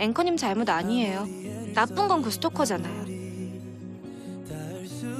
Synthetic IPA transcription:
e̞ŋkʰʌɲimt͡ɕaɭmudaɲiɦe̞jonap͈ɯnɡʌnkɯsʰɯ̥t͈ʰokʰʌd͡ʑanajo

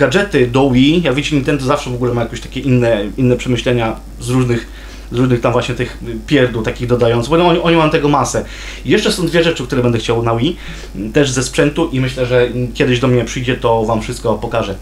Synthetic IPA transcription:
ɡad͡ʐɛt̪ɘd̪ɔwijaɡvʲjit͡ɕɛɲint̪ɛnd̪ɔzafʂɛvɔɡulɛmajakʲeɕt̪ḁkʲɛʔinːɛinːɛpʂɛmɘɕlɛɲa | zɾuʐnɘx | zɾuʐnɘxt̪amvwaɕɲɛt̪ɘxpʲjɛɾd̪ut̪akʲiɣd̪ɔd̪ajɔ̃nt̪sɨxbɔɛ̃ɔɲɛʔɔɲɛmajɔ̃t̪ɛɡɔmasɛ | jɛʂt͡ʂɛsɔ̃w̃d̪vʲjɛʐɛt͡ʂɘkt̪uɾɛbɛnd̪ɛxt͡ɕawnawi | t̪ɛʐzɛspʂɛnt̪uʔimɘɕlɛʐɛkʲjɛd̪ɪʑd̪ɔmɲɛpʂɘjd͡ʑɛt̪ɔvamfʂɘst̪̚kɔpɔkaʐɛ

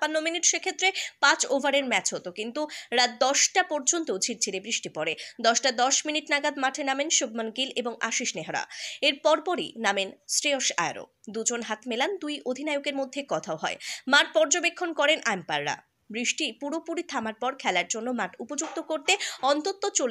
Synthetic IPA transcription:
panːominiʈʃekʰet̪ːɾepãt͡ɕovʱaɾeɾmɛt͡ɕɦot̪okint̪uɾat̪̚d̪ɔʃʈapɔɾd͡ʑont̪od͡ʑʱiɾt͡ɕʰiɾebɾiʃʈipɔɾed̪ɔʃʈad̪ɔʃminiʈnaɡad̪maʈʰenamenʃubmanɡileboŋa̰ʃiʃneɦaɾa̰eɾpɔɾpɔɾḭnamensɾeoʃa̰ja̰ɾo̰d̪ud͡ʑonɦat̪meland̪ujʔod̪ʱinajokeɾmod̪ʱːekɔt̪ʰaoɦɔemaʈ̚pɔɾd͡ʑobekʰːonkɔɾenʔaempa̰ɾːa̰ | bɾiʃʈipuɾopuɾit̪ʰamaɾpɔɾkʰɛlaɾd͡ʑonːomaʈupod͡ʑuk̚t̪okoɾt̪eɔnt̪ot̪ːot͡ɕol

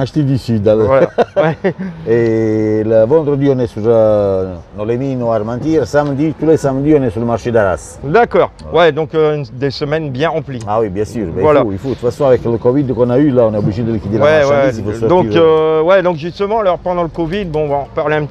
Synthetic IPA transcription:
aʃt̪id̪isyd̪alvalawɛeləvɔ̃nd̪ɾəd̪iɔnɛsuɾ | nɔleminɔaɾmãnt̪iɾsamd̪it̪ulesamd̪iɔnɛsuləmaɾʃed̪aɾa̰s | d̪akɔːʁwɛd̪ɔ̃kd̪esəmɛnbjɛ̃ʁɑ̃pliawibjɛ̃syɾbɛvwalauifut̪ufasɔ̃avɛkːləkɔvid̪kɔnaylaɔnɛɔbliʒid̪ələkid̪iɾwɛwɛɛisipussd̪ɔ̃ɾøwɛd̪ɔ̃kʒyst̪əmɑ̃alɔʁpɑ̃d̪ɑ̃ləkɔvid̪̚bɔ̃ɔ̃vaɑ̃ʁpaʁleɛ̃p̪

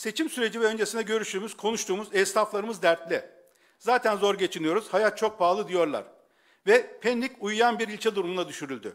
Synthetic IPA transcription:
se̞t͡ʃʰimsyɾe̞d͡ʒivɛø̞nd͡ʒe̞sind̪ɛɟø̞ɾyʃyːmyz̥kʰo̞nuʃt̪ʰuːmuzɛst̪aflˠaɾɯmɯzd̪æɾt̪lʲɛ | zaːt̪ʰænzo̞ɾɟe̞t͡ʃʰinijo̞ɾuz̥hajat̪̚t͡ʃʰo̞k̚baːlˠɯd̪ijo̞ɾlˠa̰ɾ̥ | vɛpʰɛnlʲicujjanbiɾilʲt͡ʃʰɛd̪uɾumunad̪yʃyɾylʲd̪y̰

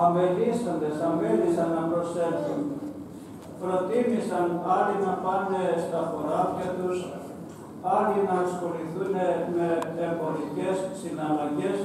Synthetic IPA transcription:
ɐmve̞lisond̪esɐmvenisɐnːɐpɾo̞sefθun | pɾo̞t̪imisɐnɐlinɐpɐnest̪ɐfo̞ɾɐpçɐt̪us | ɐlinɐsxo̞liθuneme̞ːmbo̞ɾice̞sːinɐlɐɲɟe̞s

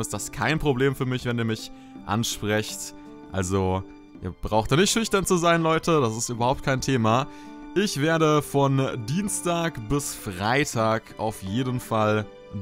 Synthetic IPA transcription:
ɪstd̥askʰaɪnpʁ̥obleːmfyːɐmɪçv̥ɛniːɐmɪç | ʔa̰nʃpʁ̥ɛçt | ʔa̰lzo | ʔḭːɐb̥ʁaʊxtd̥aːnɪçtʃʏçtɐnt͡suzaɪnlɔʏtʰəd̥asɪstyːbɐhaʊp̚t̚kʰaɪntʰeːma | ʔɪçv̥eːɐɾəfɔndiːnstaːkbɪsfʁ̥aɪtʰaːkʔa̰ʊfjeːdənfal

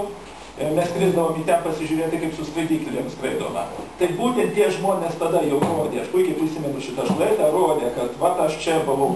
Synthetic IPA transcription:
mʲɛskɾʲɪzd̪ɐʋoːmiːt̪ʲɛnpɐsʲɪʒʲʊɾʲeːt̪ʲɪkɐɪpsʊskʋɐɪd̪ʲiːkʲlʲimskɾɐɪd̪oːmɐ̰t̪ɐɪbuːt̪ʲɛnt̪ʲiɛʒmoːnʲeːst̪ɐd̪ɐjɛʊroːd̪ʲeːɐʃpuɪkʲɛpɾʲɪsʲɪmʲɛnʊʃʲɪt̪ɐʃlˠɐɪd̪ɐroːd̪ʲeːkɐt̪ʋɐtɐʃt͡ʃʲɛbɐlˠɐʊ

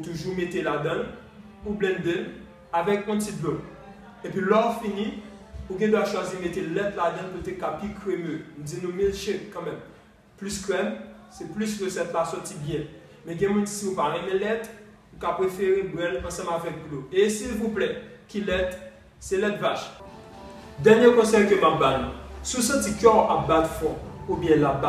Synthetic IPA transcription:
ut̪uʒumet̪elad̪ɐ̃n | ublɛ̃nd̪e | avɛk̚ɔ̃t͡sit̚blo | epɥilɔfini | uɡɛ̃d̪waʃwazimet̪elɛt̪lad̪ʌ̃nkət̪ekapikʁemønũd͡zinũmilʃekkːɐ̃mɛ̃m | plyskʁɛmsɛplysʁəsɛt̪lasɔtibjɛ̃ | mɛ̃ɡɛ̃mũnsiũpalɛ̃mɛ̃lɛt̪ | ũkapʁefeʁebʁɛlɐ̃sɐ̃mavɛk̚bloesilvuplɛ | kilɛt̪ | sɛlɛt̪vaʃ | d̪ɛnjekɔ̃sɛjkømap̚balnṵ̃susɐ̃tikɛʔabad̪fɔ̃ubjɛ̃laba

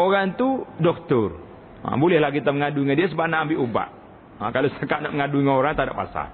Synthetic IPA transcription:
oɾaŋt̪udɔk̚t̪ʊr | a̰bolɛhlahkit̪aməŋaduiŋadias̬əbanaːmbiʔuba̰ʔ | akalosəkaʔnaməŋaduiŋaoɾaŋt̪ada̰ʔpa̰sa̰r

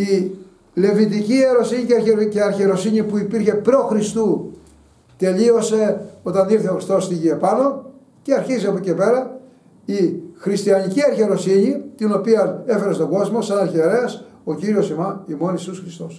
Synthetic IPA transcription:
i | le̞vit̪icie̞ɾo̞siɲiceɾeceɐɾçeɾo̞siɲipuipiɾçe̞pɾo̞xɾist̪u | t̪e̞lio̞se̞o̞t̪ɐniɾθeoxɾist̪o̞st̪iʝiɐpɐno̞ | ce̞ɐɾçiziɐpoce̞pe̞ɾɐ | ixɾist̪iɐɲiciɐɾçe̞ɾo̞siɲit̪ino̞piɐne̞fe̞ɾest̪o̞ɡo̞zmo̞sɐnɐɾçeɾeɐso̞ciɾio̞simɐimo̞nisusxɾist̪o̞s

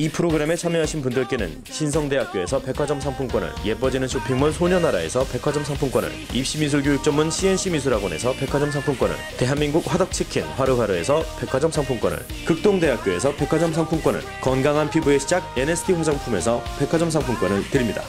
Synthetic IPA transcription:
ipʰɯɾoɡɯɾe̞me̞t͡ɕʰamjʌɦaɕʰinpundɯɭk͈e̞nɯ̰n | ɕʰinsʰʌŋde̞ɦak͈̚oe̞sʰʌpe̞kʰwad͡ʑʌms̬ʰaŋpʰuŋk͈wʌnɯ̰ɭje̞pʌd͡ʑinɯnɕʰopʰiŋmʌnsʰoɲʌnːaɾae̞̰sʰʌpe̞kʰad͡ʑʌmsʰaŋpʰuŋk͈wʌnɯ̰ɭip̚ɕ͈imis̬ʰuɭɡjojuk̚t͡ɕ͈ʌmɯnɕʰie̞nɕʰimis̬ʰuɾaɡone̞sʰʌpe̞kʰad͡ʑʌmsʰaŋpʰuŋk͈wʌnɯ̰ɭte̞ɦanmiŋɡuk̚ɸwadʌk̚t͡ɕʰikʰinɸwaɾɯɸwaɾɯe̞sʰʌpe̞kʰwad͡ʑʌmsʰaŋpʰuŋk͈ʌnɯ̰ɭ | kɯk̚t͈oŋde̞ɦak̚k͈joe̞s̬ʰʌpe̞kʰwad͡ʑʌmsʰaŋpʰuŋk͈wʌnɯ̰ɭkʌnɡaŋɦanpʰibue̞ɕʰid͡ʑaɡ̚enesʰɯ̥tʰiɸwad͡ʑaŋpʰume̞sʰʌpe̞kʰwad͡ʑʌmsʰaŋpʰuŋk͈wʌnɯɭtɯɾimɲida̰

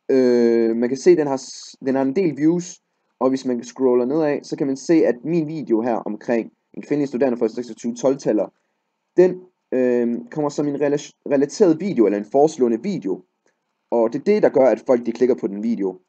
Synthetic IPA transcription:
ømænkʰæse̝̰ːd̥enɦɑ̈d̥enhɑ̈e̝nd̥e̝̰ːlʋjuːs | ʔɒ̽ʋe̝smænsɡ̥ʁoʊlɐne̝ð̞̰ˠɛ̰sɒ̽kʰæmænse̝̰ːæd̥minʋḭːde̝o̝ɦæɐ̰ʔɒ̽mkʰʁeŋ̰ | e̝nkʰʋe̝nəlisd̥uden̰d̥ɐfɑdiseɡ̥sɒt͡sʰyːʊət͡sʰɒ̽lt͡sʰælɐ | d̥en | økʰɒ̽m̰ɐsɒ̽me̝nʁʁɛlæt͡sʰe̝̰ːɐð̩ˠʋḭːde̝oelɐe̝nfɒːslɔ̰̽ːnəʋḭːd̥e̝o̝ | ʔɒ̽d̥e̝ɐd̥e̝d̥ɑ̈ɡ̥ɶɐæd̥fɒ̽l̰ɡ̥̚d̥ikʰle̝ɡ̥ɐpʰɒ̽d̥enʋḭːd̥e̝o̝

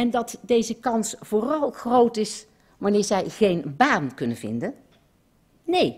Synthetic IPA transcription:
ɛndɑtdejzəkɑnsfoːrɑlˠχrowtɪs | ʋɑnɪːɹzɛjχejnbaːnkɵnənvɪ̰ndən | nej

